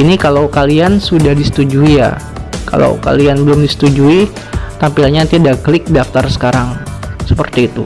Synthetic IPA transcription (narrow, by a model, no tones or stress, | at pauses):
inikalawkaliansudahdisə̥t̪ud͡ʒuija̰ | ka̰la̰wka̰lianbəlʊmdisə̥t̪ud͡ʒui | t̪ampilɲat̪iadaklɪk̚daft̪arsə̥kaɾaŋsəpərt̪iːt̪u